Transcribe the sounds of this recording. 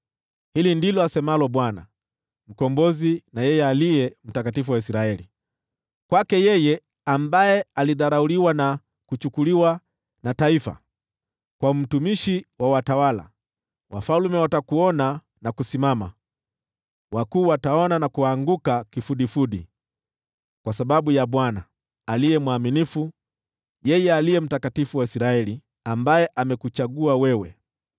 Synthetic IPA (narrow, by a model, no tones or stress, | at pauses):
hilindilɔasɛmalɔɓwana̰ | m̩kɔmbɔzinajɛjɛaliɛm̩takatifuwaisiɾaɛli | kwakɛjɛjɛ | ambajɛaliðaɾauliwana | kut͡ʃukuliwa | nataifa̰ | kwaum̩tumiʃiwawatawala̰ | wʔa̰falumɛwatakuɔna | nakusimama̰ | wakuːwataɔnanakuaŋɡukakifuɗifuɗḭ | kwasaɓaɓujaɓwana | alijɛmwaminifu | jɛjɛalijɛm̩takatifuwaisiɾaɛli | ambajɛʔamɛkut͡ʃaɡuawɛwɛ̰